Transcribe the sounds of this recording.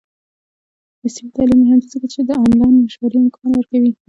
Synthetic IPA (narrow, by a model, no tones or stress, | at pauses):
d̪əsimit̪ɑlimiɦand̪izəkat͡ʃed̪əamlɑnmaʃwaɾiɪmkʰɑnwəɾkawi